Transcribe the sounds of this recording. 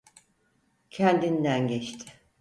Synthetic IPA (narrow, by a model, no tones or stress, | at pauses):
cʰɛnd̪ind̪ænɟɛt͡ʃt̪ʰɪ̥